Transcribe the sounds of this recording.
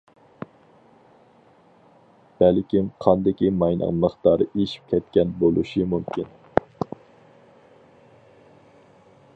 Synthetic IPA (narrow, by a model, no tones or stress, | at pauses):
b̥ɛlkʲimqʰɑnd̪ɪkʲimɑjnʔɨ̰ŋlˠəχt̪ɑɾeʃi̥p̚kʲʰɛt̪kʲɛnbolˠṵʃimumkʲʰin